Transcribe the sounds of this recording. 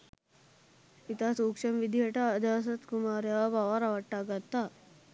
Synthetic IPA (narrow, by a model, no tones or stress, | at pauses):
it̪aːsuːkʂɐmʋid̪ʱijɐʈɐːd͡ʒ̪aːs̬ɐt̪kumaːɾjaɐbɐʋaɾɐʋɐʈːaːɡɐt̪ːa